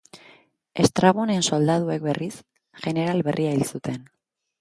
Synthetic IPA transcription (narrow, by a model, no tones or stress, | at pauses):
e̞st̪ɾaβone̞nso̞ld̪aðue̞kbe̞rʔis | ʝe̞neɾalβe̞rʔiailsut̪e̞n